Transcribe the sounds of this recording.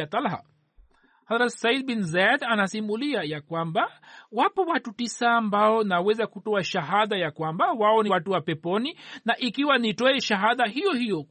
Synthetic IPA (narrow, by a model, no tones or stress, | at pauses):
at̪alɦa̰ | hazɾatsaid̪binzad̪anasimuliajakwambawapɔwatutisaːmbaɔnawɛzakutɔaʃaɦaðajakwambawaɔniwatuwapɛpɔninaʔikiwanitɔɛʃaɦaðaɦijɔhijɔ